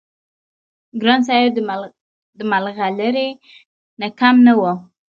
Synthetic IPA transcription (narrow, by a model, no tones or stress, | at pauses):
ɡɾɑns̬ɑj | d̪əmalɣaləɾe | nakamnawo